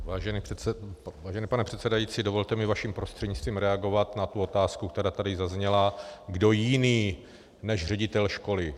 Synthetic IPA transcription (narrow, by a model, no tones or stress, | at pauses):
vaːʒɛni | vaːʒɛniːpanɛpr̝̥ɛt̪sɛdajiːtt͡siːdo̞vo̞lt̪ɛmɪvaʃimpɾo̞st̪r̥ɛdɲɪt͡st̪viːmɾɛaɡo̞vat̪nat̪uo̞t̪aːskukt̪ɛɾaːt̪adɪzazɲɛlaɡdo̞jɪniː | nɛʒrɛɟɪt̪ɛlʃko̞lɪ